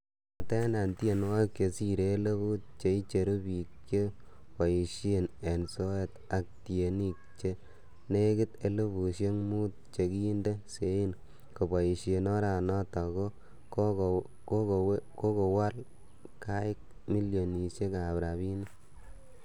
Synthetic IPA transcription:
a˨tɛ˦na˨nti˦e˨nwa˦jkje˨si˦ɾe˨˦le˦bu˦t̚t͡ʃe˨i˦t͡ʃe˨ɾu˦bi˨kt͡ʃe˦ | pa˨ji˨ʃe˦˨ne˨nso˦e˦t | a˨k̚tie˨ni˦k̚t͡ʃe˦ | ne˦kɪ˦te˦le˦bu˨ʃje˦ŋmu˦t̚t͡ʃe˨kiː˦nde˦se˨˦i˦n | ko˨ba˨ji˨ʃe˨nɔ˦ɾa˨nɔ˦ta˨ko˦ | k | ko˦koko˦ko˨wa˦l | ka˦ɪ˦k̚ | mi˦ljo˨ni˨ʃe˦ka˨bɾa˨βi˦ni˦

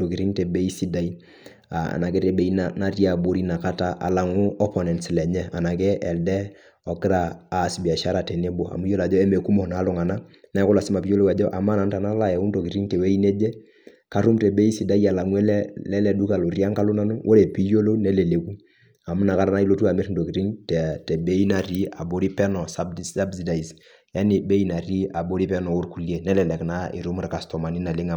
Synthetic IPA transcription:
o˨ki˨ɾi˦ŋtɛ˨be˦i˦si˦da˦i˦ | a˨a̰˨na˨kɛ˦ɾɛ˨be˨˦i˦nana˦ti˦a˨bo˦ɾi˦na˨ka˦ta˦ʔa̰˨la˨ŋʊ˦ɔ˦pɔ˨nɛ˨nslɛ˨ɲɛ˦a̰˨na˨kɛ˦ʔɛ˨ldɛ˦ | ɔ˨kɪ˦ɾaː˨si˨bi˨a˨ʃa˦ɾa˨tɛ˨ne˦bo˨a̰˨mu˦jo˦la˨d͡ʒɔ˦ɛ˦me˨ku˦mɔ˨na˨˦lʊ˨ŋa˨na˦nɛ˦kʊ˦la˨sɪ˦ma˨pi˦jo˦lo˦wa˨d͡ʒɔ˦ʔa˨ma˦na˨n˦ta˨na˦la˦jɛ˨u˦nto˨ki˨ɾi˦ŋtɛ˨we˦i˦nɛ˦d͡ʒɛ˦ | ka˦ɾu˦mtɛ˨be˦i˦si˨da˦i˦a˨la˨ŋwɛ˦lɛ˦lɛ˦lɛ˨du˦ka˨lo˨ɾi˦a˦ŋka˦lu˦na˦nu˦ʔo˦ɾɛ˨pi˦jo˦lo˦nɛ˦lɛ˨le˨ku˦ | a˨m˦na˨ka˦ɾa˦na˦i˦lo˦tu˦a˨mɛ˦ɾn̩˨do˨ki˨ɾi˦ŋtɛ˨tɛ˨be˦i˦na˨ɾi˦a̰˨bo˨ɾi˦pɛ˦nɔ˨saa˦bsi˨da˨i˨s | ja˦ni˨be˦i˦na˨ɾi˦a˨bo˦ɾi˦pɛ˦nɔ˨u˦ɾku˨li˦e˨nɛ˦lɛ˨lɛ˨kna˦ḭ˨ɾu˦m˦ɾka˨stɔ˨ma˨ni˦na˨lɪ˦ŋa˨

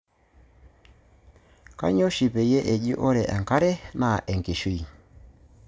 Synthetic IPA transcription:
ka̰˦ɲɔ˦ʃi˨pɛ˨jɛ˦ʔɛ˨ʄi˦ʔɔ˦ɾɛ˨ʔa̰˨ŋka˦ɾɛ˦na˨ʔɛ˨ŋki˨ʃi˦˨

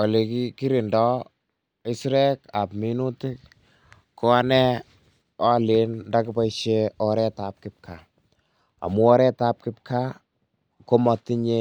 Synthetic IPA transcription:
ɔ˨li˨kiki˦ɾi˨ndɔ˦ | ɪ˦sɾɛ˦ka˨pmi˦nu˦tɪ˦k | kɔ˦a˦nɛ˦ | ɔ˦lɪ˨˦nnda˦kɪ˦pa˦iʃe˦ɔɾɛ˦ta˨p̚kɪ˦p̚kʰa˨ | a̰˨mu˦ɔ˦ɾɛ˦ta˦p̚kɪ˦p̚kʰa˦ | ko˦mɔ˨tːi˦ɲe˦

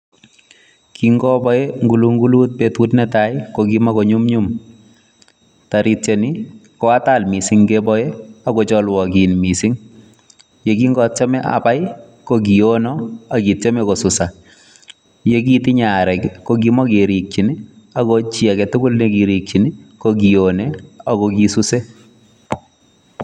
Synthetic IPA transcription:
kiŋɡɔ˦bɔ˦eŋɡu˨lu˦ŋɡulu˦t̚petutnɛtajkoɡima˦koɲu˦mɲum | taɾitt͡ʃeni˦ | kɔ˨a˦talmi˨siŋɡebɔjea˦kot͡ʃɔlwɔ˨ki˨nmi˨si˦ŋ | jeki˦ŋɡɔ˦tt͡ʃa˦mɛ˦ʔa̰pa˦j | koɡi˨onɔa˨ɡi˨t͡ʃɛ˦mɛ˦ko˨sʊ˨sa˨ | je˦ɡ̬i˦ti˦ɲaɾɛ˨kko˦ɡimɔ˦ke˨ɾi˨k̚t͡ʃini˦ | a˨kot͡ʃia˨kɛ˨tʊ˦ɡʊ˦lneki˨ɾi˨k̚t͡ʃi˨ni˦koɡi˨onea˨koki˨suse˦

